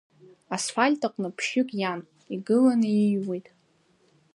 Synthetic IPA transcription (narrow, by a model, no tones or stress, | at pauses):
asfalʲtʼaqʷʼnɨpʰʃᶣʊkʼjan | iɡɨlanɨijwijtʼ